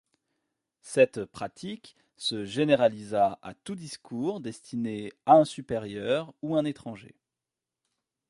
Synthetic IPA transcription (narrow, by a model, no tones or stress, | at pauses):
sɛt̪pχat̪ʰik | səʒeneʁalizaa̰t̪ud̪iskʰuʁd̪ɛst̪ʰineaɛ̃sypeʁjœʁuɛ̃net̪χɑ̃ʒḛ